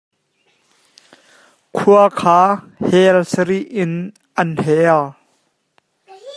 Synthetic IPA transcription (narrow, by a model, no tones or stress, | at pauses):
kʰuɐkʰaː | hɛlsəɾiʔɪn | ʔɐnhɛl